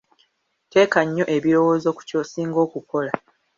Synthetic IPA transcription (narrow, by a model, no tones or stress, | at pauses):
te̞ːkaɲːo̞ʔe̞βiɾo̞wo̞ːzo̞ːku̥cosiːŋɡo̞ːkuko̞la